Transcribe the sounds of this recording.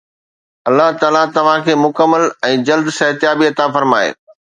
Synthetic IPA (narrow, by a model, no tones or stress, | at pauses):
ɐlːaɦt̪aːlat̪ɐʋ̤ãkʰeːmʊkəmːəlɛ̃ːd͡ʑɐld̪sɐɦt̪ɪjaːbiɐt̪afɐɾmaːḛː